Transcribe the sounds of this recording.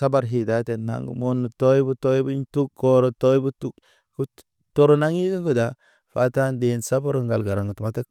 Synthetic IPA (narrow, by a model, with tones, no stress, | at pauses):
sa˦ba˨ɾɦi˨da˨˦te˨nːa̰˨˦ŋɡṵ˨mo˦nːu˨to˦ji˦bu˦to˦ji˦bu˦ɲ˦tu˦kːo˦ɾo˨to˦jbu˦tu˦k̚ | ku˦ | to˦ɾo˦na˦ŋi˦ɡi˦ŋɡu˦da˨ | fa̰˨˦ta˦nde˨nsa˦ba˦ɾu˦˨ŋɡa˨lɡa˨ɾa˨ŋɡu˨tu˨ma˦ta˦k̚